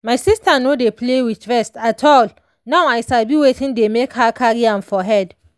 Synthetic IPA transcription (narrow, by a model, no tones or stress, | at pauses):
majsistʰanodepʰlewit͡ʃvɛstatʰɔl | nãwajsalbiwetʰĩndemekhakʰaɹiãnfɔɦɛd